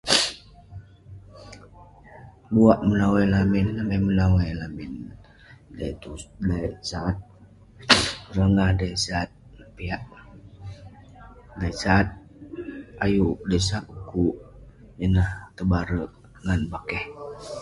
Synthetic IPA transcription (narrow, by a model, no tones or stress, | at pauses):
buaʔmənawalaminnabamənawajlamɪn | da̰t̪udasaːt̪̚ | ɾəŋahdajsat̪̚piaʔ | dajsaːt̪̚ | ajuʔdəsaʔukuʔ | jənaht̪əbaɾəʔ | ŋanbakɛh